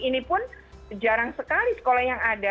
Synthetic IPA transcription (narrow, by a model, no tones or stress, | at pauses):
inipʊn | d͡ʒaɾaŋsəkalisə̥kolahjaŋada